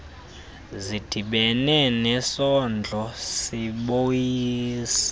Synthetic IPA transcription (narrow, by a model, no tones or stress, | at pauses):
zid̥ʱiɓɛnɛnɛsɔnd͡ɮʱɔsiɓojiːsḁ